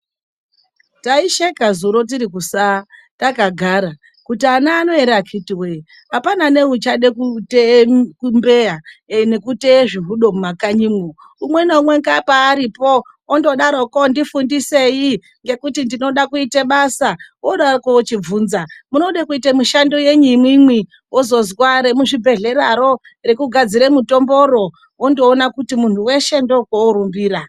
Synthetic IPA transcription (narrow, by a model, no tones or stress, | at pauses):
taiʃekazuɾo̞t̬iɾikusa | takaɡʱaːɾa | kutianaːno̞eɾakʰitiwe | apanane̞ut͡ʃaɗekutekumbe̞jane̞kuteʐiɦuɗo̞mumakaɲimo | umwenoumwe̞ŋkapaːɾipo̞ː | ndo̞ɗaɾokondifundise̞ji | ŋɡe̞kutindino̞ɗakuiteɓasaoɗarokoot͡ʃib͡vuːnzamuno̞ɗakuitemuʃando̞je̞ɲimwimwi | wozo̞zwaɾe̞muʐibʱe̞ɮe̞ɾaɾo̞ | rekuɡʱad͡ziɾemuto̞mbo̞ɾo̞ | wondo̞ːnakutimun̤uwe̞ʃe̞ndo̞kooɾumbiːɾa